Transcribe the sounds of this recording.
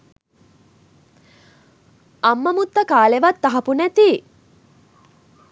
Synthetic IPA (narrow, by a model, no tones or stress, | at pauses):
ɐmːəmut̪ːəkaːleʋat̪ːaɦɐpunæt̪i